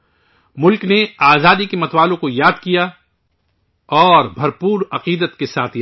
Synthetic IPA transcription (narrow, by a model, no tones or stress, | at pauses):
mʊlkneaːzaːd̪ikemɐt̪waːlõkojaːd̪kija | ɔːɾbʱɐɾpuːɾɐqiːd̪ət̪kesaːt̪ʰj